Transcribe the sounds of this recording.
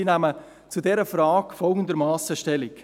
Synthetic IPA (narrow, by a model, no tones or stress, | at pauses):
inæmə | t͡sudɛɾəfɾaːkfɔlˠɡən̩d̪əɾmaːsəʃtɛlik